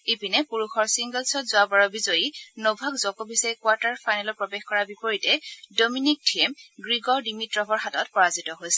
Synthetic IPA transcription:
epinɛpuɹuxʰɔɹsiŋɡɛlsɔtzʊabɔɹɔbizɔjinobʱakzɔkɔbisaikwaɹtaɹpʰajnalɔɹpɹɔbexkɔɹabipɔɹitɛdominik̚tʰiɛmɡɹiɡɔɹdimitɹɔbɔɹɦatɔtpɔɹazitɔɦojsɛ̥

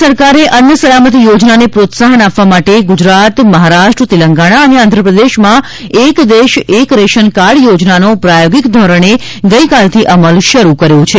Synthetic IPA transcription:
səɾkaɾeʔənjəsəlamət̪̬ijod͡ʒnanepɾot̪saɦənapʋamaʈeɡʊd͡ʒɾat̪məɦaɾaʃʈɾət̪iləŋɡaɽ̃aəneãnd̪ʱɾəpɾəd̪eʃmã | ekd̪eʃekɾeʃənkaɾɽjod͡ʒnanopɾajoɡikd̪ʱɔɾəɳ̃e | ɡəikalt̪ʰiʔəməlʃəɾukəɾjõt͡ʃʰe

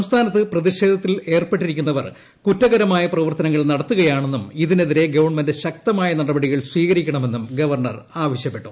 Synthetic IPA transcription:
sɐmst̪ʰaːnɐt̪ːɨprɐðiɕe̞ːd̪ʱɐt̪ːile̞ːrpeʈːiɾikʲːunːɐʋɐr | kutːɐɣɐɾɐmaːjɐprɐʋɐrt̪ɐnɐŋːɐɭnɐɽɐt̪ːuɣɐjaːɳe̞nːumiðineðiɾe̞ɡɐʋɐɳmendeɕɐk̚t̪ɐmaːjɐnɐɽɐbɐɽiɣɐɭsʋiːɣɐɾikʲːɐɳɐme̞nːumɡɐʋɐrɳɐ̰r | aːʋɐɕjɐpːe̞ʈːu

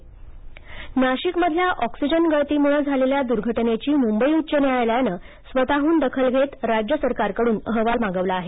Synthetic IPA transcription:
naɕikməd̪ʱljaʔɔksid͡ʑənɡəɭt̪iːmuɭəd͡zʱaleljad̪uɾɡʱəʈnet͡ɕiːmumbəiutːɕəneajljanə | sʋət̪aɦuːnd̪əkʰəlɡʱet̪ɾad͡ʑjəsəɾkaɾkəɽuːnəɦʋalmaɡəʋlaːɦe

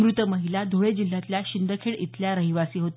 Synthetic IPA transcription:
mɾut̪əməɦilad̪ʱoɭed͡ʑil̤ːjat̪ljaɕind̪ʱəkʰeɽit̪ljaɾəɦiʋasiːɦot̪

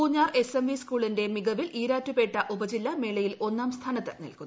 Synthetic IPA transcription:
uːɲːaːre̞semʋiskuːɭinde̞miɡɐʋiliːɾaːtːupe̞ːʈːɐʔubɐd͡ʑilːɐmeːɭɐjilo̞nːaːmst̪ʰaːnɐt̪ːɐ̰nḭlkunː

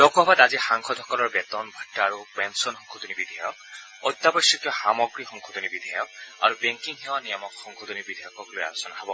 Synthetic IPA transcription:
d̥ɔkabadazixaŋkʰɔdʱɔkɔlɔɹbɛtɔnbʱɔtːaːɹupɛnsɔnxɔŋkʰɔt̪unibid̪ʱajɔk̚ | ɔd̪abɔsɔkjɔxamɔɡɹixɔŋkʰɔt̪unibid̪ʱajɔk̚a̰ɹubɛŋkiŋxɛwanijɔmɔkxɔŋkʰɔt̪unibid̪ʱajɔkɔkloja̰lɔsɔnaɦabɔ

